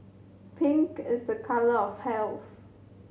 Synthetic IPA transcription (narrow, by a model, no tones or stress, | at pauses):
pʰɪ̃ŋkɪsðəkʰaləɔfhɛlθ